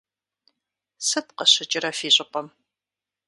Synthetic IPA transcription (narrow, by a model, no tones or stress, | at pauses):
sɨt̚qəɕɪt͡ʃʼɪɾɐfiːɕʼɪqɐm